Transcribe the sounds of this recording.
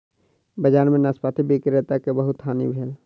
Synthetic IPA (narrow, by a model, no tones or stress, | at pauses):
bəd͡ʒaːnmẽnaspaːt̪ʰibeːkiɾet̪akebəɦʊt̪ɦaːnḭbʱeːl